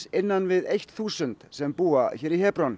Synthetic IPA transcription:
ɪnːanvɪðejht̪θuːsʏnt̪sɛmpuːaçɛːɾihɛːpɾɔn

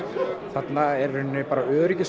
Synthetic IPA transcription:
θat̪naɛɾhʏnːʏpaːɾaœːɾɪcɪs

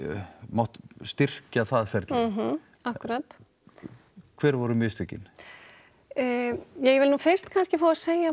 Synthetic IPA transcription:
maht̪st̪ɪr̥caθaðfjɛɾt̪lɦ̩ | ahkʏɾaːt̪ | kʰvɛːɾvɔɾʏmjʏːst̪ʏcɪ̰n | jɛjɛvɪlnuːfɪr̥st̪kʰanscɪfaːwaseːja

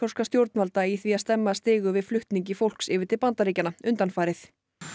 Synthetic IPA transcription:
ɔ̥skast̪jowɾt̪nvalt̪aiθviaðst̪ɛmːast̪ɪːɣʏvɪðflʏht̪niɲc̬ɪfowl̥ksɪːvɪɾ̥t̪ʰɪlpant̪aɾiːcanaʏnt̪anfaːjɾɪθ

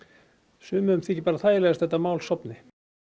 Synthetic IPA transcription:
sʏːmʏʏmθiːcɪpaːɾaθajɪlɛɣast̪θɛt̪ːamaːwlsɔpnɪ

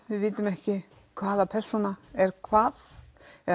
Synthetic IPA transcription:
vɪðvɪːt̪ʏmɛhcɪ | kʰvaːðapʰɛr̥sɔnaɛɾkʰvaːðɛ

